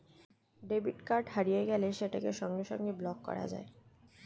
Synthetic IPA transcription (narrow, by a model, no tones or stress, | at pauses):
ɖebiʈkaɾɖhaɾijeɡɛleʃeʈakeʃɔŋɡeʃɔŋɡeblɔkːɔ̰ɾa̰d͡ʑa̰e